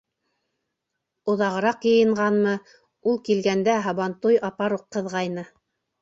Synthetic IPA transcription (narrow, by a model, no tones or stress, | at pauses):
ŏðɑʁɤ̆ɾɑqjɤ̆jɤ̆ɴɢɑnmɤ | ulˠkilɡænd̪æɦɑβɑnt̪ujɑpɑɾuqːɤ̆ðʁɑjnɤ